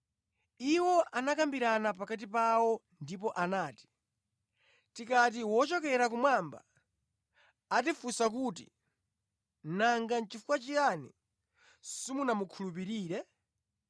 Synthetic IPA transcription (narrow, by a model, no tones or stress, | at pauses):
iwɔʔanakambiɾanapakat̬ipawɔndipɔʔanaːti̥ | tikat̬iwɔt͡ʃɔkɛɾakumwamba̰ | tifusak̬utḭ | naŋɡant͡ʃifukwat͡ʃiɾanḭ | simunamukʰulup̬iɾiːɾɛ